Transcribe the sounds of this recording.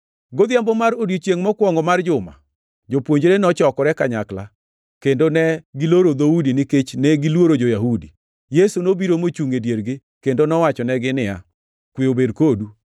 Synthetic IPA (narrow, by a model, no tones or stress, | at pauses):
ɡod̪jambɔmaɾodjot͡ʃjeŋmɔkwɔŋɡɔmard͡ʒʊma̰ | d͡ʒopwoɲd͡ʒɾenɔt͡ʃɔkɔɾɛkaɲakla̰ | kendonɛɡiloɾod̪audinɪket͡ʃnɛɡɪlwoɾod͡ʒojaɦudi | jesunobiɾomot͡ʃuŋedjeɾɡɪ | kendonɔwat͡ʃɔnɛɡɪnɪja̰ | kwiobedkodu